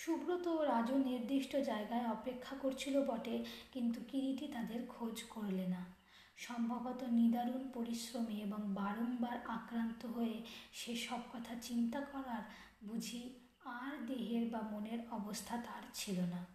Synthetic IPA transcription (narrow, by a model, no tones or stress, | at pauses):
ʃubɾot̪oɾad͡ʑoniɾd̪iʃʈod͡ʑaeɡaeɔpekʰːakoɾt͡ɕʰilobɔʈekint̪ukiɾiʈit̪ad̪eɾkʰod͡ʑkoɾlena | ʃɔmbʱabot̪onid̪aɾunpoɾiʃɾomieboŋbaɾonbaɾakɾant̪oɦoeʃeʃɔb̚kɔt̪ʰat͡ɕint̪akɔɾaɾ | bud͡ʑʱi | aɾd̪eɦeɾbamoneɾɔbost̪ʰat̪aɾt͡ɕʰilona